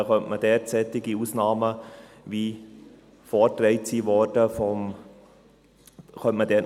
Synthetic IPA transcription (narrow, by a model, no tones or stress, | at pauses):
χœntmədeːɾt͡sɛːtɪɡiusnɑːmə | vi | fɔːtɾɛɪtsivɔɾdəfɔm | xœntmədɛː